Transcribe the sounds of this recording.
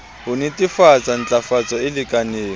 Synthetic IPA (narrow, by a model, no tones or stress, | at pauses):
hʊnɪtʼɪfat͡sʼan̩t͡ɬʼafat͡sʼɔɪlɪkʼaneː